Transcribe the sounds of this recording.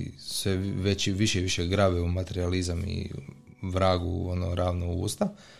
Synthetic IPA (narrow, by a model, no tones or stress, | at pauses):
sʋeʋet͡ɕiʋiʃeiʋiʃeɡɾaːʋɛumat̪e̞ɾializamḭ | ʋɾaːɡuonoɾaːʋnoɡuːst̪a